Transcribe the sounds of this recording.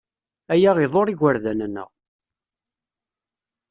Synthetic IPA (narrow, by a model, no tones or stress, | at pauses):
æjæʁiðˤoɾˤiɣəɾðænənːə̰ʁ